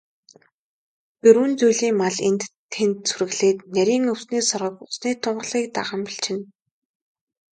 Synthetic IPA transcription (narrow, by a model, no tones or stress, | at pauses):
pɵɾɘ̆nt͡sujɮiːŋmaɮent̪ʰː | ent̪suɾɘ̆ɣɮeːt̪næɾʲiːŋɵwsniːsɔrʁə̆kʊsniːt̪ʰʊɴɢə̆ɮiːk̚t̪a̰ʁə̆mpiɬt͡ɕʰɪ̆n